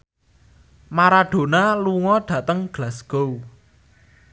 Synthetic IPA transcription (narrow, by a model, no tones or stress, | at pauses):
maɾaɖ̥o̤naluŋɔɖ̥ä̤t̪əŋɡ̥lasɡ̥ow